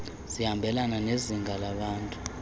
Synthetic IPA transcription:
z̥ihambʱɛlananeziŋɡalaɓaːntʼu

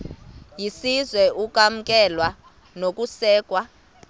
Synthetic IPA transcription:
jisizwɛʔuk̬ʼam̩kʼɛlwa | nok̬ʼusɛːk̬ʼwa

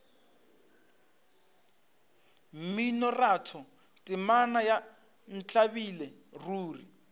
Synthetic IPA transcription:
m̩minɔratʰɔ | tʼɪmanaja | n̩t͡ɬʼabilɛ | ruːrḭ

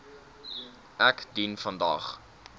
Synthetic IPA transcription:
ʔækdinfɐndɑ̰ːχ

